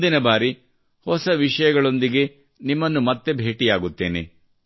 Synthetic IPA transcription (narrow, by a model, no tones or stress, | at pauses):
d̪inɐbaːɾi | hɔsɐʋiʂɐjɐɡɐɭo̞nd̪iɡe̞ | nimːɐnːumɐt̪ːe̞bʱe̞ːʈijaːɡut̪ːe̞̰ːnḛ